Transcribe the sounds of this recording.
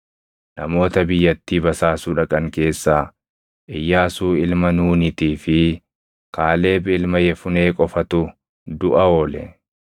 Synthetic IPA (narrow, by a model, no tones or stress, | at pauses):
nɐmo̞ːt̪ɐbɪjːɐt̪ːiːbɐsaːsuːᶑɐkʼɐŋke̞ːsːaː | ʔɪjːaːsuːɪlmɐnuːnɪt̪iːfɪ | kaːle̞ːbɪɪlmɐjɛfʊne̞ːkʼɔfɐt̪ʊ | d̪ʊʔɐoːlɛ̰